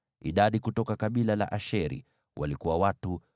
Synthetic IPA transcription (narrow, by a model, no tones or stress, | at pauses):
ḭɗaɗikutɔkakaɓilala̰ʔaʃɛɾḭ | wʔa̰likuwawatu